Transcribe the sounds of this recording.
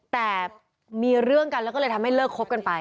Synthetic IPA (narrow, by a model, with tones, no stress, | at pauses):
t̪ɛː˨˩ | miː˧ɾɯ˥˩əŋka˧lːwkɔː˥˩ɤː˧t̪ʰa˧mha˥˩jlɤː˥˩kʰːo˦˥p̚ka˧npa˧